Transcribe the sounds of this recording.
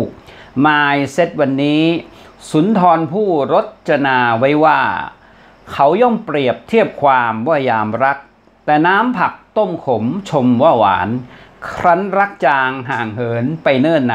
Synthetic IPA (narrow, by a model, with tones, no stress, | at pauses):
maː˧jse˦˥t̪̚wa˧nːiː˦˥ | su˩˦nt̪ʰɔː˧npʰuː˥˩ɾo˦˥t̪̚t͡ɕʰa˧naː˧wa˦˥jwaː˥˩ | kʰa˦˥wjɔ˥˩mpɾi˨˩əp̚t̪ʰi˥˩əp̚kʰwaː˧mwa˥˩jaː˧mɾa˦˥k̚ | t̪ɛː˨˩naː˦˥mpʰa˨˩k̚t̪o˥˩mkʰo˩˦mt͡ɕʰo˧mwaː˧˥˩wa̰ː˩˦nkʰɾa˦˥nɾa˦˥k̚t͡ɕaː˧ŋɦaː˨˩ŋɦɤː˩˦npa˧jnɤː˥˩nːa˨